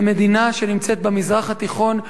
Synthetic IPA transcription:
med̪inaʃe̞nimt͡set̪̚bemizʁaχat̪iχo̞n

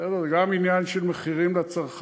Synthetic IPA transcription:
ɛd̪eʁzeɡaminjanʃelmeχiʁimlat͡saʁχ

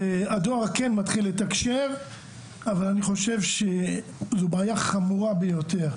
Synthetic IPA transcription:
ead̪oaʁkenmat̪χilːet̪akʃe̞v | avalaniχo̞ʃe̞vʃezubaːjaχamuʁabejo̞t̪e̞ʁ

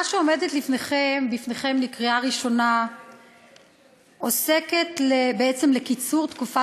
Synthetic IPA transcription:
aʃeo̞medet̪lifneχembifneχe̞mlikʁiaʁiʃo̞na | ʔose̞ketlebeet͡se̞mlekit͡suʁt̪kufa

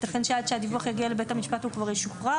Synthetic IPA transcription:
tafenʃead̪ʃead̪ivuaχjaɡialebe̞thamiʃpathukvaʁjeʃuχʁa

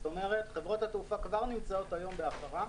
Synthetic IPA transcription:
to̞me̞ʁe̞tχevʁo̞thatufakvaʁnimt͡sao̞thajo̞mbe̞aχaʁa

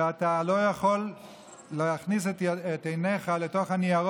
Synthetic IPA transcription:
atalo̞jaχolː | eaχnis̬etet̪ejneχaletoχaniaʁ

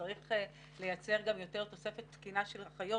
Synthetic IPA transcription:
aʁiχ | lejat͡se̞ʁɡamjo̞te̞ʁt̪o̞se̞fe̞t̪skinaʃelχajo

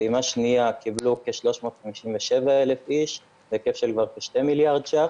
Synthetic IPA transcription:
imaʃniakʰiblukeʃlo̞ʃmo̞ːt̪χamiʃimveʃe̞vaelefiʃ | vekefʃelkvaʁkeʃtemiljaʁdʃa

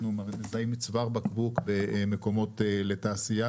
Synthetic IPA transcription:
nomaʁzajimit͡svaʁbakbukbemeko̞mo̞teletaːsija

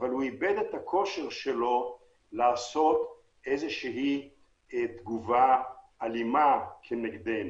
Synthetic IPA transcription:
valhuibed̪et̪hakʰo̞ʃeʁʃelo̞ | laːso̞t̪ | ejzeʃeɦi | t̪ɡuvaː | limakʰeneɡd̪en

